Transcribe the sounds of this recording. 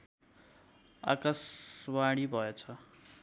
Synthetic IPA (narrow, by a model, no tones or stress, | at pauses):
a̰kaswaɽ̃ibʱʌet͡sʰʌ